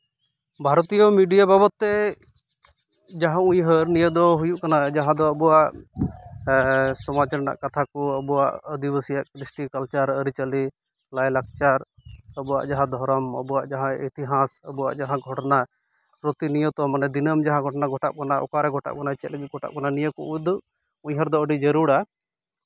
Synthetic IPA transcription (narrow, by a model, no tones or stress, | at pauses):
bʱaɾɔt̪ijɔmiɖijababɔt̪ːɛ | d͡ʒaɦãũɲɦəɾnijəd̪ɔɦujuʔkanad͡ʒaɦãd̪ɔəbuwaʔ | sɔmat͡ʃaɾna̰ʔkat̪ʰakɔəbuwaʔəd̪ibəsijaʔkɾisʈikəlt͡ʃaɾəɾit͡ʃəli | lajlak̚ʰt͡ʃaɾəbuwa̰ʔd͡ʒaɦãd̪ʱɔɾɔmə̰buwaʔd͡ʒaɦãit̪iɦasəbuwa̰ʔd͡ʒaɦãɡʱɔʈna | pɾot̪inijət̪ɔmanɛd̪inəmd͡ʒaɦãɡʱɔʈnaɡʱɔʈa̰ʔ̚kanaʔɔ̰kaɾɛɡʱɔʈa̰ʔkanat͡ʃɛt̪ləɡit̪̚ɡʱɔʈa̰ʔkananijəkɔujd̪ɔʔ | uɲɦəɾd̪ɔəɖid͡ʒəɾuɽa